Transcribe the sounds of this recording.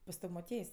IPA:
pɐs ˈtɐw moːˈtʲiɛjsʲ

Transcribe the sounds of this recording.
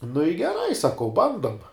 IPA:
nʊ ɪ ɡʲɛˈrɐɪ sɐˈkɐʊ ˈbɐndoːm

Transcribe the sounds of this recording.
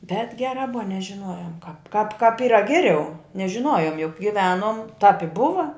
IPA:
bʲɛt ˈɡʲæːrɑː ˈbʊʋɐ nʲɛʒʲɪˈnoːjoːm kɑːp kɑːp kɑːp ˈiːrɐ ˈɡʲæːˌrʲɛʊ nʲɛʒʲɪˈnoːjoːm jʊk ɡʲɪˈʋʲæːnoːm tɑːp ɪ ˈbʊʋɐ

